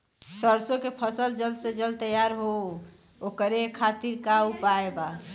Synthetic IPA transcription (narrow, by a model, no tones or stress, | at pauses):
səɾsõkepʰəsəld͡ʒəlsed͡ʒəlt̪əjaɾɦo | okəɾekʰat̪iɾkaupaeba